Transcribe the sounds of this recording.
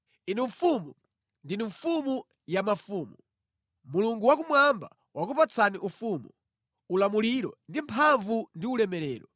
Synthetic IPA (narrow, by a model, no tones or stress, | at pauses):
inɛɱfumu | ndiniɱfumu | jamafuːmu | muluŋɡuwak̬umwamba̰ | wak̬upat͡sʰaniʔufumu | ulamuliɾɔ̰ndimpʰaɱvundiulɛmɛɾɛːɾɔ